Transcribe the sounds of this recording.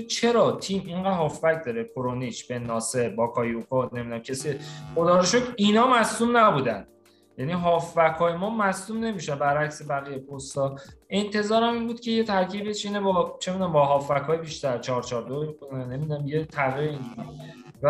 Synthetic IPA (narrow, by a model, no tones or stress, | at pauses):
t͡ʃʰe̞ɾɒːt̪ʰiːmiɴɢæd̪hɒːfvæc̚d̪ɒːɾekʰoɾoniʃb̥e̞nːɒːse̞ɾbɒːkʰɒːjiokʰɔne̞mid̪unæmcʰesieχod̪ɒːɾeʃod̪inɒːmæsumnæbuːd̪ænd̪ | jæniːɦɒːfvækʰɒːjemɒːmæsumne̞miʃænbæɾæcse̞bæɣijepʰost̪ɒːʔe̞nt̪ʰe̞zɒːɾæmiːnbuːd̪̚cʰʲe̞je̞t̪ʰæɾcʰiːbet͡ʃʰinebɒt͡ʃʰemid̪unæmbɒɦɒːfːækʰɒːjebiʃt̪æɾt͡ʃʰɒːɾt͡ʃʰɒːɾd̪oixonænːe̞mid̪unæmjet̪ʰæʁiɾeind͡ʒui | væ